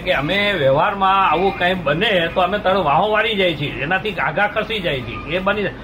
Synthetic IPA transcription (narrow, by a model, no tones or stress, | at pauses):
keəmeʋɛʋaɾmãaʋũkãik̚bənet̪oəmet̪aɽ̃õʋãɦõʋaɽid͡ʒajt͡ʃʰienat̪ʰiɡaɡãkʰəɾsid͡ʒajt͡ʃʰḭebəni